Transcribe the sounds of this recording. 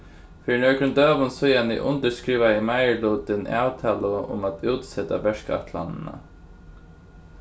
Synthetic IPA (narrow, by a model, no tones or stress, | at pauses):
fiːɾnœɹkɾʏnd̪øːʋʊnsɔjanḭʔʊ̰nt̪əskɾiːʋaɪmajəluːt̪ɪnaːwt̪ʰaːləʊ̰mat̪uːt̪sɛt̪a̰ʋɛʂka̰t̪ʰla̰nna̰